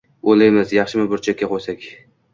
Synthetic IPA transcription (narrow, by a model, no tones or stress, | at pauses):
olajmɪzjɑχʃɪmɪbʊɾt͡ʃʰakʲːaqʰojsakʲ